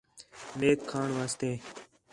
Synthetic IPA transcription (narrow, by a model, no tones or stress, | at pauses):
meːkʰːaːɳʋaːst̪eː